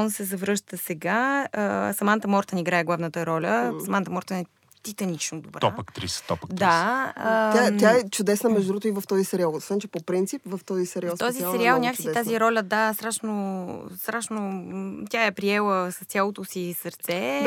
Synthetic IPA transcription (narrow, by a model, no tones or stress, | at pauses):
ɔnsɛzɐvɾɤʃt̪əsɛɡaəsɐmant̪əmɔɾt̪ənʲiɡɾaɛɡlˠavnət̪əɾɔlʲəsɐmant̪əmɔɾt̪ənɛ | t̪it̪ɐnit͡ʃnod̪obɾaɔpəkt̪ɾḭst̪ɔpəd̪aəat̪ʲjaɛt͡ʃʊd̪ɛsnəmɛʒd̪ɾut̪ʊivəft̪ɔzisɛɾialˠosvɛnt͡ʃɛpopɾint̪sipvəft̪ɔzisɛɾiat̪ɔzisɛɾialˠnʲakəsit̪aziɾɔlʲəd̪ast̪ɾaʃnost̪ɾaʃnot̪ʲaɛpɾiɛlˠəsəɐst̪sʲjalˠot̪osisəɾt̪sɛ